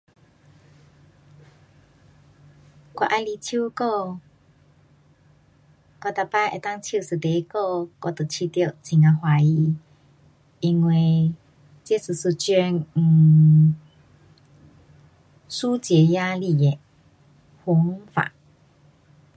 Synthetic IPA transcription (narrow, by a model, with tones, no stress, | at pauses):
kwa̰˧ʔa˧jli˧t͡ɕʰju˦kɔ˥˧ | kwa˧˨t̪a˧pa˧˨ʔḛ˨t̪a˥˨ŋt͡ɕʰi˧˨sɨ˨t̪e˨˦kɔ˥˧kɔ̰˧t̪ə˨t͡ɕʰi˧t̪ji˧ʔt͡ɕʰi˨ŋa˧hwa˧˨i˧ | i˧ŋwe˧˨ | t͡ɕje˥˦sɨ˨˩su˧˩t͡ɕø˧ŋ̩˨˩ | su˦t͡ɕjɛ˨˧˦ja˦˧li˧˨e˨ | hu˧˦ŋfa̰˨ʔ